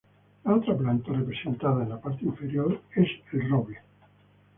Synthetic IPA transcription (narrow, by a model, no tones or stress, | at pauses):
lalt̪ɾaplant̪arepɾesẽnt̪aðaenlapaɾt̪eiɱfeɾjoɾeselroβle